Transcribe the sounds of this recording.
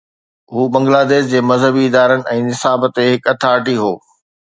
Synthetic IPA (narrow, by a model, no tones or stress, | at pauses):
ɦuːbɐ̃ŋɡlaːd̪eːʃd͡ʑeːmɐzɦəbiɪd̪aːɾənɪ̆ʔɛ̃ːnɪsaːbt̪eɦɪkɐt̪ʰaːɾʈiɦoː